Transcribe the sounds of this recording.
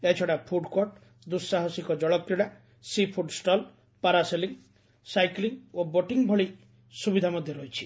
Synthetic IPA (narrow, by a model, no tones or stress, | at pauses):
et͡ʃʰɔɽapʰuɖkoʈ | d̪usːaɦɔsikɔd͡ʒɔɭɔkɾiɽa | sipʰuɖsʈɔl | paɾaseliŋ | sajkliŋoboʈiŋbʱɔɭi | subid̪ʱamɔd̪ʱjɔɾɔɦit͡ʃʰi̥